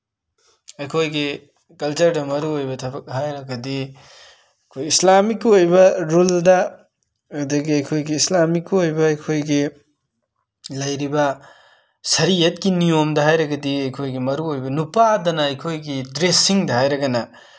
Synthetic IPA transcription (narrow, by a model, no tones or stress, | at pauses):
ɐjkʰojɡi | kɐlt͡ʃɐɾdɐmɐɾuojbɐtʰɐbɐk̚ɦajɾɐɡɐdi | ɐjkʰojislamikːojbɐɾuldɐː | dɐɡiɐjkʰojɡiːslamikːojbɐɐjkʰojɡi | lɐjɾibɐ | sɐɾijɐt̚kinijomdɐɦajɾɐɡɐdiɐjkʰojɡimɐɾuojbɐnupadɐnɐɐjkʰojɡidɾesiŋdɐhajɾɐɡɐnɐ